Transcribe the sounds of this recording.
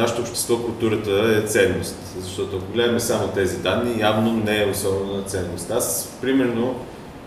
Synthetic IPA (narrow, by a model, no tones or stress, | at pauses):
naʃe̥t̪oːpʃt̪ɛ̥st̪vɔkʊlˠt̪uɾət̪əɛt̪sɛnːost̪zɐʃt̪ɔt̪oɐkoɡlɛd̪əmɛsamot̪ɛzid̪anːijavnonɛːosɔbɛnonɐt̪sɛnːost̪aspɾimɛɾno